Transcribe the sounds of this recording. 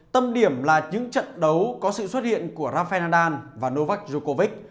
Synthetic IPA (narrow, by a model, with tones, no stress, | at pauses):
t̪ə˧mɗi˧˩əmlaː˨˩ɲɨ̰˧˥ŋt͡ɕə̰˧˨nɗə˨˦wkɔ˨˦sɨ̰˧˨swə˦˥t̚hḭ˧˨ənku˧˩əzaː˧fɛ˧naː˧ɗaː˧nvaː˨˩no˧va˦˥k̚zu˧ko˧vi˦˥k̚